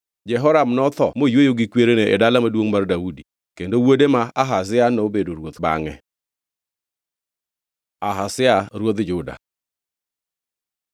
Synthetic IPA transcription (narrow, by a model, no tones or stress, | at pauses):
d͡ʒɛɦɔɾamnɔt̪ɔmojwojoɡikweɾeneʔɛdalamadwoŋmardaudi | kendowodemaaɦas̬ɪanɔobedoɾwot̪ba̰ŋɛ̰ | aɦasɪaɾwot̪d͡ʒʊda̰